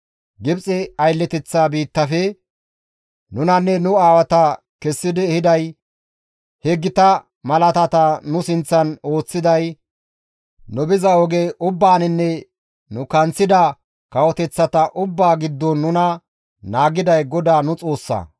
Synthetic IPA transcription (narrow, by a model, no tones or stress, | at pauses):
ɡɪbt͡sʼɪɐjlːɛt̪ɛt͡sːabiːt̪ːɐfɛ | nʊnɐnːɛnʊaːwɐt̪ɐ | kɛsːɪd̪ɪɛhɪd̪ɐj | hɛɡːɪt̪ɐ | mɐlɐt̪ɐt̪ɐnʊsɪnt͡sːɐno̞ːt͡sːɪd̪ɐj | nʊbɪzɐɔɡeʔʊbːaːnɪnːɛ | nʊkɐnt͡sːɪd̪ɐ | kɐwɔt̪ɛt͡sːɐt̪ɐʔʊbːaːɡɪd̪ːɔnːʊnɐ | naːɡɪd̪ɐjɡɔd̪aːnʊt͡sʼo̞ːsːɐ̰